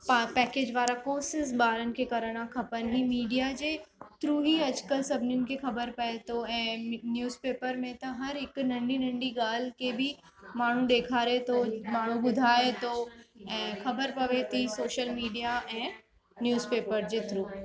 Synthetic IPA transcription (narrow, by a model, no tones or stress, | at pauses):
pɛːkeːd͡ʑʋaːɾakoːsɪzɓaːɾənɪ̆kʰeːkɐɾəɽ̃ãkʰɐpənɪɦiːmiːɖijad͡ʑeːt̪ɾuːɦiɐd͡ʑkəlsɐbʱɪnjʊnɪ̆kʰexɐbəɾpɐet̪ʰoɛ̃ːnjuːzpeːpəɾmẽt̪ɐɦɐɾɦɪknɐ̃ɳɖinɐ̃ɳɖiɡaːl̤keːbʱɪ | maːɳ̤ũɗ̪eːkʰaːɾet̪ʰomaːɳ̤ũɓʊd̪ʱaːet̪ʰoɛ̃ːxɐbəɾpɐʋet̪ʰisoːʃəlmiːɖijaʔɛ̃ː | njuːzpeːpəɾd͡ʑeːt̪ʰɾuː